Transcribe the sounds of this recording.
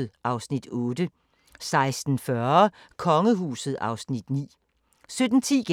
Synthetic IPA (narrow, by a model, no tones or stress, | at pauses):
ð̩ˠʔɑ̈ʊsnid̥ɔ̽ːd̥ə | sɑ̈ɪsd̥n̩fɶɐ | kʰɒ̽ŋəɦuːsð̞̩ˠɑ̈ʊsnid̥nḭː | sød̥n̩t͡sʰḭːɡ̥